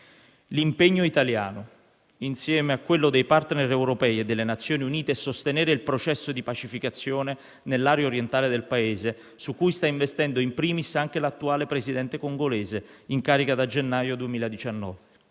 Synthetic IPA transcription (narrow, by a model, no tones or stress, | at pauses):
limpeɲːoit̪aljaːno | insjɛːmeakːwelːod̪ejpart̪neɾɛwɾopɛːjed̪ːelːenat̪sːjoːniuniːt̪eɛsːost̪enɛːɾeilpɾot͡ʃɛsːod̪ipat͡ʃifikat̪sːjoːne | nelːaːɾjaoɾjent̪aːled̪elpaeːze | sukːujst̪aiɱvest̪ɛnd̪oimpɾiːmisaŋk̟elat̪ːuaːlepɾezid̪ɛnt̪ekoŋɡolɛːzeiŋkaːɾikad̪ad͡ʒenːaːjod̪uemiːlad̪it͡ʃanːɔ̰ːve